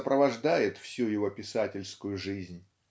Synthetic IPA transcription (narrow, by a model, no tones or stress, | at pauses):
əpɾəvɐʐd̪ajɪt̪fsʲujɪvo̞pʲɪsatʲɪlʲskʊjʊʐɨzʲnʲ